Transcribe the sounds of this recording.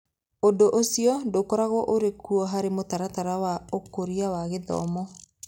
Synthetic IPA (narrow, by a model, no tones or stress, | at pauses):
odoʔosiɔndokɔɾaɣɔʔoɾekuɔɦaɾemotaɾataɾawaokoɾiawaɣeðɔ̰mɔ